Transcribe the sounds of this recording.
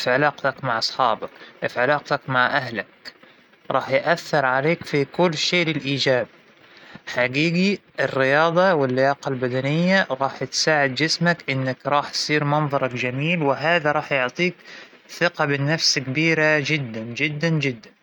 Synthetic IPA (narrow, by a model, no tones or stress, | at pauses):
fiʕɪlɑːqt̪akmaʕʔɑsˤħɑːbɑkʔfʕɪlɑːq̚t̪akmaʕʔaɦlak | ɾˤʔɑːħjʔaθːɪɾˤʕaleːkfikʊlːʃeːlɪlʔiːd͡ʒaːb̚ | ħaɡiːɡiʔɪrːɪjɑːd̪ˤɑwɪlːɪjɑːqɑlbad̪anɪjːaɾˤɑːħt̪saːʕɪd̪̚d͡ʒɪsmakʔɪnːakɾˤɑːħt̪sˤiːɾmɑnðˤɑɾˤɑkd͡ʒamiːlwɪɦaːðaɾˤɑːħjʊʕt̪ˤiːk | θɪqɑbɪnːafskbiːɾad͡ʒɪd̪ːand͡ʒɪd̪ːand͡ʒɪd̪ːan